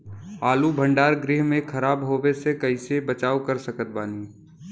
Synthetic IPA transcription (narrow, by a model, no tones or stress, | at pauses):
aːlubʱə̃ɳɖaːɾɡɾɪɦmẽkʰɐɾaːbɦoːwesekɐɪsebət͡ʃaːukəɾsəkət̪̚baːniː